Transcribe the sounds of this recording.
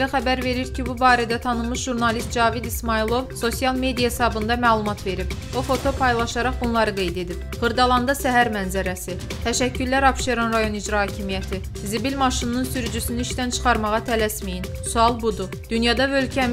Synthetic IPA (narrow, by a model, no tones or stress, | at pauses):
æχæbæɾve̞ɾiɾcʰibubɑːɾæd̪æt̪ʰɑnɯlˠmɯʃʒuɾnɑlˠist̪̚d͡ʒɑːvid̪ismɑilˠo̞vso̞sijɑlˠme̞d̪ijɑhesɑbɯnd̪ɑmæːlˠumɑt̪ve̞ɾip | ofo̞t̪ʰo̞pʰɑjlˠɑʃɑɾɑχbunlˠɑɾɯɡe̞jd̪e̞d̪ip | ʁɯɾd̪ɑlˠɑnd̪ɑsæɦæɾmænzæɾæsi | t̪ʰæʃæcːylːæɾɑpʃeɾonɾɑjo̞nid͡ʒɾɑhɑːcʰimijæt̪ʰi | zibilʲmɑʃinnɯnsyɾyd͡ʒysyniiʃt̪ænt͡ʃʰɯ̥χɑɾmɑʁɑt̪ʰælæsmijin | suɑlˠbud̪u | d̪̥ynjɑd̪ɑvølcʰæ